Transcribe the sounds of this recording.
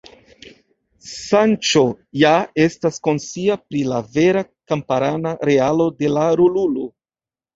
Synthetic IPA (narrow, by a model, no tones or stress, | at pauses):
sant͡ʃo̞ | jae̞stasko̞nsiapɾilave̞ɾakampaɾanaɾe̞alo̞de̞laɾululo